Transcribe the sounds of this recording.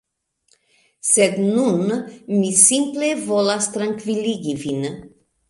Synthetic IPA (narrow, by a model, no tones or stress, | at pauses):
sed̪nunmisimplevolast̪ɾaŋkviliɡivin